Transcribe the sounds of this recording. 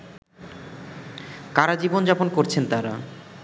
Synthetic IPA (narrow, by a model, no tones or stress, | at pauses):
kaɾad͡ʑibond͡ʑaponkoɾt͡ɕʰent̪aɾa̰